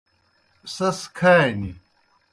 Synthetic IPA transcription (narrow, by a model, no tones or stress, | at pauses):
sɐskʰani